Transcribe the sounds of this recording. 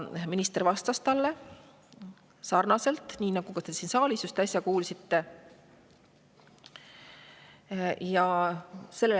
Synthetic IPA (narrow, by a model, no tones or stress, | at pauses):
minist̪ervɑst̪ɑst̪ɑlːe̞ | sɑrnɑse̞lt̪ˑniːnɑɡ̥ukɑt̪e̞sinsɑːlisust̪ɑsʲjɑkuːlsit̪ːe̞ | jɑse̞lːe